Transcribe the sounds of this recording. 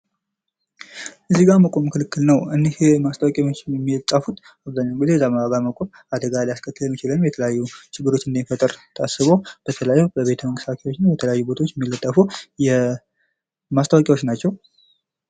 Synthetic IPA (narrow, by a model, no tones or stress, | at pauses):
ʔɨzːiɡaməkʼo̞mɨkʰɨlɨkːɨlnəwɨnːehmast̪ʰawakʼat͡ʃːɛmːilt̪ʼːafut̪ | aβzaɲːawnɡizeɛzːaməaɡaməkʼo̞m | ad̪əɡalajaskʰʼət̪ːɨləɛmːɪt͡ʃɪləmmjɛt̪ʰələjajːut͡ʃɪɡːɨɾo̞t͡ʃːɨnd̪efət̪ʼɨɾt̪ʰasɨβob̥ət̪ʰələjajːubəβe̞t̪ʰəməŋkʼɨst̪ʰakʰewo̞t͡ʃːɪnjɛt̪ʰələjajːubo̞t̪ʰo̞t͡ʃːjɛmːilːət̪ʼːəfujɛ | mast̪ʰawakʼawo̞t͡ʃːnat͡ʃːɛw